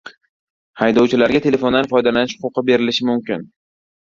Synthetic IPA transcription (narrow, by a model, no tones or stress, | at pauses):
hajd̪ɒwt͡ʃʰɪlaɾɡʲat̪ʰe̞le̞fo̞nd̪anfɒjd̪alanɪʃhʊqʊqʰɨbe̞ɾɪlɪʃɪmʊmkʲɪn